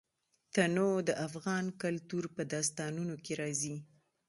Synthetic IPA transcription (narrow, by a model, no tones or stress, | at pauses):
t̪anod̪əʔafɣɑnkalt̪uɾpəd̪ɑs̬t̪ɑnunokeɾɑzi